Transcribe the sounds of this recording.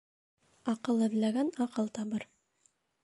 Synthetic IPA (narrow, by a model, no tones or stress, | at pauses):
ɑqɤlˠɘ̆ðlæɡænɑqɤlˠt̪ɑβɤɾ